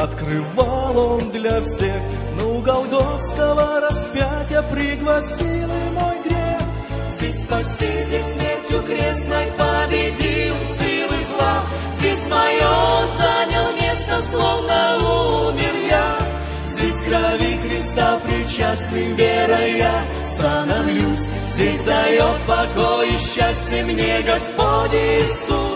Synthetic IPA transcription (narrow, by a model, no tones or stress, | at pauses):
ɐt̪krɨvalˠond̪lʲɐfsʲex | nəʊɡɐlˠɡofskəvəɾɐspʲætʲjəpɾʲɪɡlˠɐsʲilˠɨmo̞jɡɾʲex | zʲdʲesʲspɐsʲizʲesʲmʲertʲʊkɾʲesnəjpəbʲɪdʲilˠsʲilˠɨzlˠa | zʲdʲesʲmɐjonzanʲɪlˠmʲest̪əslˠovnɐumʲɪrja | zʲdʲesʲɡɾɐvʲixɾʲɪst̪apɾʲɪt͡ɕasʲnɨjvʲeɾəja | sanɐvlʲus | zʲdʲesʲd̪ɐjot̪̚pɐɡojɪɕːasʲtʲjəmnʲeɡɐspodʲɪsu